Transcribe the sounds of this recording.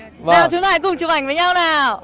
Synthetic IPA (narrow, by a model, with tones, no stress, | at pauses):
aː˨˩t͡ɕʊ˨˦t̪aː˧˥˩kʊ˨˩ŋ͡mt͡ɕɨ˨˩ʔa˧˩jŋ̟vəː˨˦jɲa˧wnaː˨˩